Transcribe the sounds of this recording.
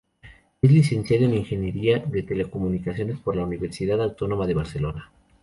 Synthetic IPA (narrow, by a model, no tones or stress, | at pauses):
e̞zlise̞nsjaðoeniŋxe̞nje̞ɾiaðe̞t̪e̞le̞ko̞munikasjo̞ne̞spo̞ɾlauniβe̞ɾsiðaðawt̪o̞no̞maðe̞βaɾse̞lo̞na